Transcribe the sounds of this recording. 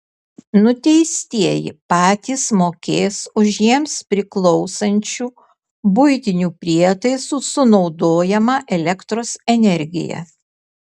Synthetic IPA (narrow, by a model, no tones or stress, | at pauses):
nʊt̪ʲɛɪsʲt̪ʲiɛjɪ̰pɑːt̪ʲiːsmoːkʲeːsʊʃjiɛmspʲɾʲɪklˠɔʊsɐnʲt͡ʃʲuː | bʊɪt̪ʲɪnʲuːpʲɾʲiɛt̪ɐɪsuːsʊnɒʊd̪oːjɛmɑːʔɛlʲɛkt̪ɾoːsɛnʲɛɾʲɡʲɪ̰jɛ̰